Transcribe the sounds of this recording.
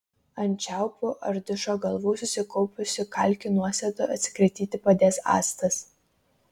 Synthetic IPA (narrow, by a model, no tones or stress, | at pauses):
ɐnʲt͡ʃʲæˑʊpʊʔɐɾʲd̪ʲʊʃoːɡɐlˠʋuːsʊsʲɪkɔʊpʲʊsʲɪkɐˑlʲkʲʊnuɔsʲɛd̪oɐt̪ʲsʲɪ̥kɾʲɛt̪ʲiːt̪ʲɪpɐd̪ʲeːsɑ̰ːst̪ɐs